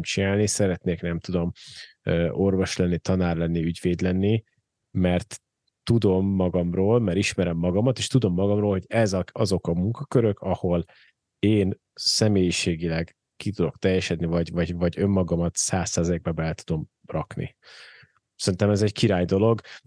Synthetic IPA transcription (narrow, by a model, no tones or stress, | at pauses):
mt͡ʃinaːlnisɛɾɛt̪neːknɛmt̪ud̪o̞møːʔo̞rvo̞ʃlɛnːit̪ɒnaːrlɛnːiyɟveːd̪lɛnːi | mɛrt̪ː | ud̪o̞mːɒɡɒmroːlmɛɾiʃmɛɾɛmːɒɡɒmɒt̪eːʃt̪ud̪o̞mːɒɡɒmroːlho̞ɟɛzɒɒzo̞kɒmuŋkɒkøɾø̞kɒho̞l | eːn | sɛmeːjiʃeːɡilɛɡ | kit̪ud̪o̞kt̪ɛjɛʃɛd̪nivɒɟvɒɟvɒɟømːɒɡɒmɒt̪saːsːaːzɒeɡ̚bɛbɛlɛt̪ud̪o̞m | rɒknḭ | sɛɾint̪ɛmɛzɛɟkiɾaːjd̪o̞lo̞ɡ